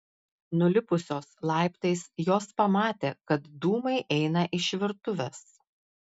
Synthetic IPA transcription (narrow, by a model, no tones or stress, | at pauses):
nʊlʲɪpʊsʲoːslˠɑˑɪpt̪ɐɪsjoːspɐmɑːt̪ʲeːkɐt̪d̪uːmɐɪʔɛɪnɐʔɪʃʲʋʲɪɾt̪ʊʋʲɛs